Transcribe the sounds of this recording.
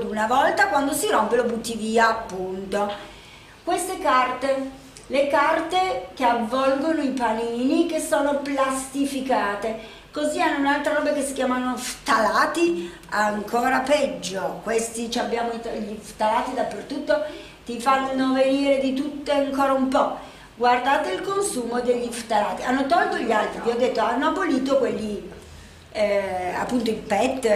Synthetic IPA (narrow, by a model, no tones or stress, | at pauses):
d̪unavɔlt̪akwand̪osiɾompelobut̪ːiviːaːpːunt̪o | kwest̪ekart̪e | lekart̪ekeavːɔlɡonoipaniːnikesːoːnoplast̪ifikaːt̪e | kozianːounalt̪ɾaɾɔːbakesːikjaːmanoft̪alaːt̪i | aŋkʰɔːɾapɛd͡ʒːokwest̪it͡ʃiabːjaːmoit̪ʎːift̪alaːt̪id̪apːert̪ut̪ːo | t̪ifanːoveniːɾed̪it̪̬ut̪ːeaŋkoːɾaumpɔ | ɡward̪aːt̪eilkonsuːmod̪eʎːift̪alaːt̪ianːot̪ɔlt̪oʎialt̪ɾiviɔd̪ːet̪ːoanːoaboliːt̪̬okweʎːi | a̰pːunt̪oilpɛt̪ː